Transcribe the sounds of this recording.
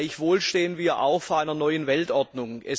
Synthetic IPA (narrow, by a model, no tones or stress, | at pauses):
ɪçv̥oːlʃteːənviːɐʔa̰ʊxfoːɐʔaɪnɐnɔʏənvɛltʔɔɐdnʊŋʔɛ̰